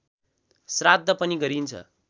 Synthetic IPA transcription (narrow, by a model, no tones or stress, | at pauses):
srad̪ʱːʌpʌniɡʌɾint͡sʰʌ̰